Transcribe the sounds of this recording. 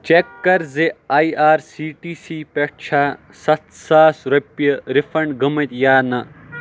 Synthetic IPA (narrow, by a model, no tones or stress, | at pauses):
t͡ʃekːɐɾzeaːiaːɾsiːʈiːsiːpeʈ̚t͡ʃʰaː | sɐt̪saːsɾɐpːjɐɾifʰɐɳɖɡɐmɐt̪jaːnɐ